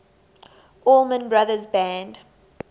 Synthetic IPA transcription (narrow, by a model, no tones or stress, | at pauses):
ʔɔlˠmə̃nbɹaðəzbæ̃nd